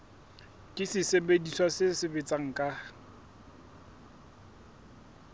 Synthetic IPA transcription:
kʼɪsɪsebediswasɪsɪbet͡sʼaŋ̩kʼa

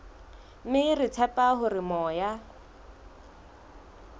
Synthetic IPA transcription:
mɪrɪt͡sʰɛpʼaɦʊrɪmɔːja

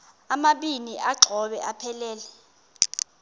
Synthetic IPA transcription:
amaɓiniʔaɡ͡ǃʱɔɓɛʔapʰɛlɛːlɛ

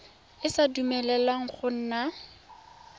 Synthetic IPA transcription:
ɪsadumɛlɛlwaŋ̩χʊn̩na

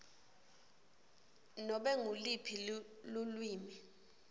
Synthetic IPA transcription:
nɔɓɛŋulipʰi | lulwiːmi

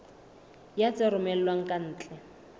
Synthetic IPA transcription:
jat͡sʼɪɾʊmɛl̩lwaŋ̩kʼan̩ːt͡ɬʼɛ

